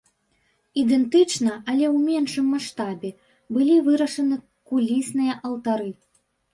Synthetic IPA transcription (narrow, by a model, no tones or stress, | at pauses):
id̪ɛnt̪ɨt͡ʂnɐʔɐlʲɛwmʲɛnʂɨmːaʂt̪abʲɛ | bɨlʲivɨɾɐʂɐnɨ | kulʲisnɨjɐʔɐlt̪aɾɨ